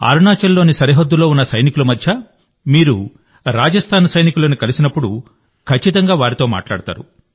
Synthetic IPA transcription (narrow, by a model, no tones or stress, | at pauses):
a̰ːɾuɳaːt͡ʃɐlːo̞ːnisɐɾiɦɐd̪ːulo̞ːunːɐsɐjnikulɐumɐd̪ʱjɐ | miːɾu | ɾaːd͡ʒɐst̪ʰaːnɐsɐjnikulɐːnikɐlisinɐpːuɽu | kʰɐt͡ʃːit̪ɐŋɡaːʋaːɾit̪o̞ːma̰ːʈlaːɽt̪a̰ːɾṵ